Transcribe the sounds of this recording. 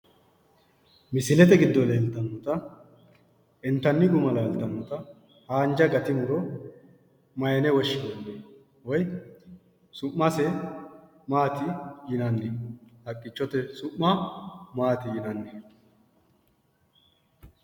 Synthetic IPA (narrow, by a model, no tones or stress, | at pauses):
mɪsɪlɛt̪ɛɡɪd̪ːɔleːlt̪ːɐnːɔt̪ɐ | ɛnt̪ɐnːɪɡʊmɐlɐːlt̪ɐnːɔt̪ɐ | haːnd͡ʒɐɡɐt̪ɪmʊɾɔ | mɐjɐnɛwɔʃːɪbɔnːe | wɔj | sʊʔːɐsɛ | maːt̪ɪɪnɐnːɪhɐkʼːɪt͡ʃːɔt̪ɛsʊʔːɐmaːt̪ɪjɪnɐnːɛ